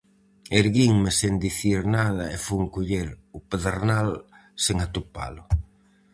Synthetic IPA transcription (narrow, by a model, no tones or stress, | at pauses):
eɾɣiŋmesend̪iθiɾnaðɐefuŋkuʎeɾʊpeðeɾnal | seŋat̪upa̰lʊ